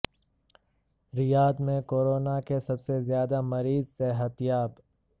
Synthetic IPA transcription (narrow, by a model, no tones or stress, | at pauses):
ɾɪjaːd̪mẽkoːɾoːnakesɐbsezjaːd̪amɐɾiːzseɦət̪jaːb